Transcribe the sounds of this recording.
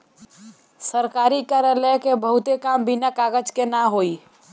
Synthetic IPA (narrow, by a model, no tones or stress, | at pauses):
səɾkaːɾikaɾjalɛkebəɦʊt̪ekambinakaɡəd͡ʒkenaɦoi